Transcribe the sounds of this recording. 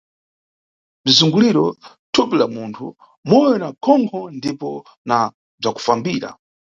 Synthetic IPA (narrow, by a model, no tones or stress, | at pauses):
b͡ʐizuŋɡuliɾɔ | tʰupilamuntʰṵ | mɔjɔnakʰɔŋkʰɔndipɔ | na | b͡ʐaku̥fambiːɾa̰